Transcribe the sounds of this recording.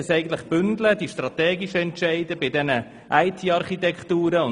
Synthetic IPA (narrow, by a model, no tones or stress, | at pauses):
əsɛɪɡən̩tləχb̥ʏndlədiʃtrɑt̪ɛːɡiʃəɛntʃɛɪdəbɪdɛnə | ʔæɪtʰiːɑɾχit̪ɛkχtuːɾəʊn